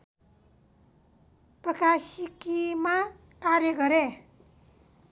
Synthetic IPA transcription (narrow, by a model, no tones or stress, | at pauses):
prʌkasikima | kaɾjʌɡʌɾe